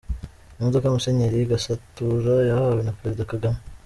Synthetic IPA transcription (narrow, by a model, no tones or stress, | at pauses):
imodokajumuse̞ɲeɾiɡasatuɾajahahawenapeɾe̞zidakaɡame